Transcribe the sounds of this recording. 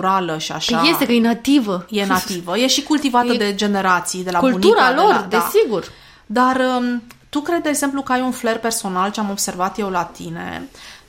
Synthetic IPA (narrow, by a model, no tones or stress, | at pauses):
ɾaləʃia̰ʃajest̪ekəjenat̪ivəjenat̪ivəjeʃikult̪ivat̪əd̪e̞d͡ʒe̞ne̞ɾat̪sijd̪e̞laubluniuɾalord̪ea̰siɡur | d̪arət̪ukɾed̪d̪eːɡz̥e̞mplukəajunfle̞rpe̞rso̞nalt͡ʃeamo̞bse̞rvat̪je̞wlat̪ine̞̰